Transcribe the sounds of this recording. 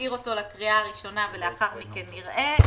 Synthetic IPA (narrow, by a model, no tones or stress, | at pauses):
iʁo̞to̞lakʁiaːʁiʃo̞naveleaχaʁmikenːiʁʔe